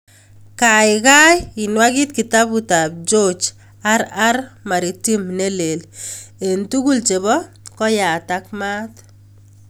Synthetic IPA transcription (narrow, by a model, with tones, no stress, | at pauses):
kaɪkaji˨nwaki˦t̚ki˨ta˦buta˨b̚d͡ʒot͡ʃ | a˦ɾa˦rma˨ɾi˨ti˦mne˦le˨le˨ntu˦ku˦lt͡ʃe˨bɔ˦ | kɔ˦ja˨takma˦t